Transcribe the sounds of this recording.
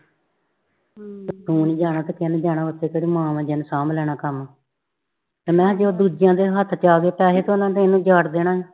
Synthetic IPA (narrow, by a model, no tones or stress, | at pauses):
t̪ũːniːd͡ʒaːɽaːt̪eːkɪnd͡ʒaːnaːʋət̪ːeːkeːɽiːmãːʋɛ̃ːd͡ʒɛnsaːmlɛːɽaːkəm | t̪eːmɛ̃ːd͡ʒeoːd̪uːd͡ʒɪjãːd̪eːɦət̪ʰt͡ʃaːɡeːpɛːseːt̪õːnãːt̪̬ẽɪnũːd͡ʒaːɽd̪eːnaːɦɛː